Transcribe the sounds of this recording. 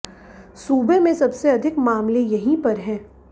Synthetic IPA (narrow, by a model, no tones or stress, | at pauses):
suːbemẽsɐbseɐd̪ʱɪkmaːmlejɐɦĩpɐɾɦɛ̃ː